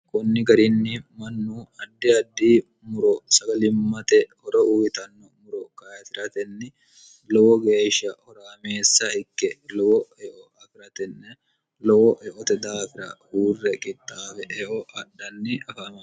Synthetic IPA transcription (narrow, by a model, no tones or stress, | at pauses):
kʼɔnːɪɡɐɾɪnːɪmɐnːuːɐd̪ːɪɐd̪ːiː | mʊɾɔsɐɡɐlɪmːɐt̪ɛhɔɾɔʔujɪt̪ɐnːɔmʊɾɔkɐjɐt̪ɪɾɐt̪ɛnːɛ | lɔwɔɡe̞ːʃːɐhɔɾaːmeːsːɐɪkːɛlɔwɔɛʔɔɐfɪɾɐt̪ɛnːɛ | lɔwɔʔɛʔɔt̪ɛd̪aːfɪɾɐ̰huːrːɛkʼɪt̪ʼːaːfɛʔɛʔɔʔɐɗːɐnːɪɐfaːmɐ